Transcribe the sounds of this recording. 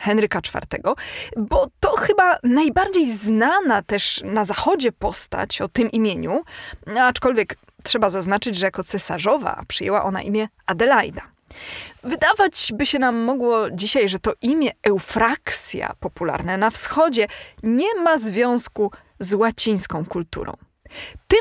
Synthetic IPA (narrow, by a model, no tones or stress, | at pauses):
xɛnɾɘkat͡ʂfa̰ɾt̪ɛ̰ɡɔbɔt̪ɔxɘbanajbaɾd͡ʑejznanat̪ɛʂnazaxɔd͡ʑɛpɔst̪a̰t͡ɕɔt̪ɘmʔimʲjeɲunat͡ʂkɔlvʲjɛk | tʂɛbazaznat͡ʂɘd͡ʑʐɛjakɔt̪sɛsa̰ʐɔva̰pʂɨjɛwa̰ʔɔna̰ʔimʲjɛ | ad̪ɛlajd̪a | vɘd̪avad͡ʑbɘɕɛnamːɔɡwɔd͡ʑiɕajʐɛt̪ɔʔimʲjɛɛwfɾakt̪sʲja̰pɔpula̰ɾnanafsxɔd͡ʑɛɲɛmazvʲjɔ̃w̃sku | zwat͡ɕij̃skɔ̃w̃kult̪ṵɾɔ̰̃w̃ | t̪ɘ